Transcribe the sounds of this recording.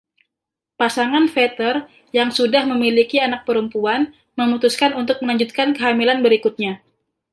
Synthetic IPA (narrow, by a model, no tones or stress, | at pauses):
pasaŋanfet̪ər | jaŋsudahməmilikianak̚pəɾəmpuan | məmut̪uskanunt̪ʊk̚məlaɲd͡ʒut̪̚kankəɦamilanbəɾikut̪̚ɲa